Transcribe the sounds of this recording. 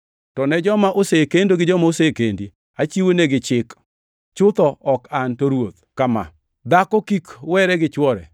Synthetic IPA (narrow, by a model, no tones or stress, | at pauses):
tɔnɛd͡ʒɔmaʔosekendoɡɪd͡ʒɔmaosekendi | at͡ʃiwoneɡɪt͡ʃɪk | t͡ʃʊt̪ɔɔkantoɾwot̪kama̰ | d̪akɔkikwɛɾɛɡɪt͡ʃwɔɾɛ̰